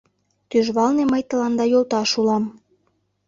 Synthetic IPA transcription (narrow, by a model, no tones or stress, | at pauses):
t̪yʒβɑlneməjt̪ə̆lɑnd̪ɑjolt̪ɑʃulɑm